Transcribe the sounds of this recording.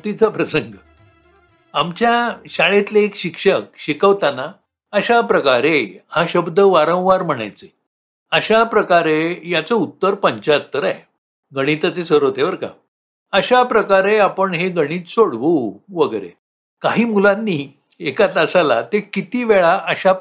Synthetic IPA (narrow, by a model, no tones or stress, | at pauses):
t̪it͡sapɾəsəŋɡə | amt͡ɕjaɕaɭet̪leekɕikʂək̚ɕikəʋt̪ana | əɕapɾəkaɾehãɕəbd̪ʱəʋaɾə̃w̃ʋaɾm̤əɽ̃a̰jt͡se | əɕapɾəkaɾejat͡səut̪ːəɾpəɲt͡ɕaət̪ːəɾa̰je | ɡəɽ̃iːt̪ət͡sesəɾot̪eʋəɾka̰ | əɕapɾəkaɾeapəɳɦeɡəɽ̃iːt̪soɽʋuʋəɡəɾḛ | kaɦiːmulãnːiː | ekat̪əsala̰t̪ekit̪iːʋeɭaʔəɕa